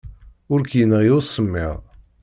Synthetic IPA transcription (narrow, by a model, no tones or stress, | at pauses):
ʊɾkjənʁjʊsˤːəmːɪ̰ʁ